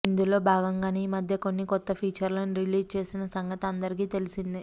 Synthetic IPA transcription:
ind̪ulo̞ːbʱaːɡɐŋɡaːneimɐd̪ʱjɐko̞nːikɔt̪ːɐpʰiːt͡ʃɐɾlɐniɾiliːd͡ʒt͡ʃe̞ːsinɐsɐŋɡɐt̪ɐnd̪ɐɾik̬iːt̪e̞lisind̪i

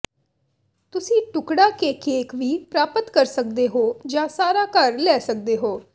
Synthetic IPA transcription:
t̪ʊsĩːʈʊkɽaːkeːkeːkʋiːpɾaːpət̪kəɾsək̚d̪eːɦoːd͡ʒãːsaːɾaːkəɾlɛːsək̚d̪eːɦoː

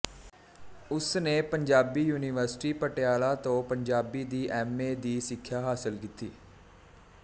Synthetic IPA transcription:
ʊsneːpəɲd͡ʒaːbiːjuːnɪʋəɾsɪ̥ʈiːpəʈjaːlaːt̪õːpəɲd͡ʒaːbiːd̪iːʔɛːmeːd̪iːsɪkʰːjaːɦaːsɪlkit̪iː

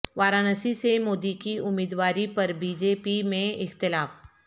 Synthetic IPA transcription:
ʋaːɾaːnɐsisemoːd̪ikiʊmiːd̪waːɾipɐɾbiːd͡ʒeːpimẽɪxt̪ɪlaːf

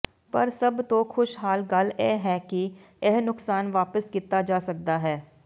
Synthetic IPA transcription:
pəɾsəbt̪õːxʰʊʃɦaːlɡəleːɦɛːki | ɪɦnʊksaːnʋaːpəskiːt̪aːd͡ʒaːsək̚d̪aːɦɛː

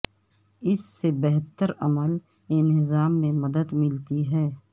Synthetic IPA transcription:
ɪsːebɛɦt̪əɾɐməl | ɪnɦɪzaːmːẽmɐd̪əd̪mɪlt̪iɦɛː

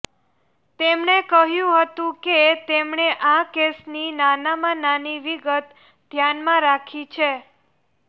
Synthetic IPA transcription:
t̪emɳekəɦjũɦət̪ũket̪emɳeʔakesninanamãnaniʋiɡət̪ | d̪ʱjanmãɾakʰit͡ʃʰe

